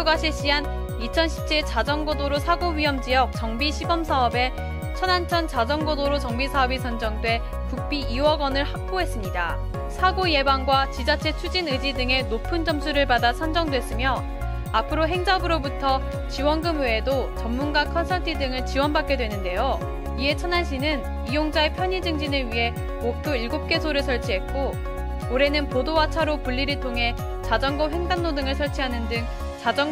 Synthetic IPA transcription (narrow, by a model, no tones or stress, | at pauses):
oɡaɕʰiɭɕ͈iɦan | it͡ɕʰʌnɕʰi̥p̚t͡ɕʰiɭt͡ɕad͡ʑʌŋɡodoɾosʰaɡoɥiɦʌmd͡ʑijʌk̚t͡ɕʌŋbiɕʰibʌmsʰaʌbe̞ | t͡ɕʰʌnant͡ɕʰʌnt͡ɕad͡ʑʌŋɡodoɾot͡ɕʌŋbisʰaʌbisʰʌnd͡ʑʌŋdwe̞ | puk̚p͈iiwʌɡʌnɯɭhak̚p͈oɦe̞s͈ɯmɲida | sʰaɡoje̞baŋɡwat͡ɕid͡ʑat͡ɕʰe̞t͡ɕʰud͡ʑinɯd͡ʑidɯŋe̞nopʰɯnd͡ʑʌmsʰuɾɯɭbadasʰʌnd͡ʑʌŋdwe̞s͈ɯmjʌ | apʰɯɾoɦe̞ŋd͡ʑabɯɾobutʰʌ | t͡ɕiwʌnɡɯmweːdot͡ɕʌmːunɡakʰʌnsʰʌɭtʰidɯŋɯɭt͡ɕiwʌnbak͈jedwe̞nɯnde̞jo | ie̞t͡ɕʰʌnanɕʰinɯn | ijoŋd͡ʑae̞pʰjʌɲid͡ʑɯŋd͡ʑinɯɭɥiɦe̞ | mokʰuiɭɡop̚k͈e̞sʰoɾɯɭsʰʌɭt͡ɕʰiɦe̞t̚k͈oː | ɾe̞nɯnpodowat͡ɕʰaɾopuʎːiɾɯɭtʰoŋɦe̞ | t͡ɕad͡ʑʌŋɡʌɸwe̞ŋdanːodɯŋɯɭsʰʌɭt͡ɕʰiɦanɯndɯŋ | t͡ɕad͡ʑʌŋ